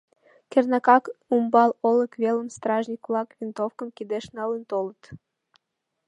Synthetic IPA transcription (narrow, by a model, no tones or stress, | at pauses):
kernɑkɑkumbɑloləkβeləmst̪rɑʒnʲikulɑkvʲint̪ofkə̆mkid̪eʃnɑlənt̪olət̪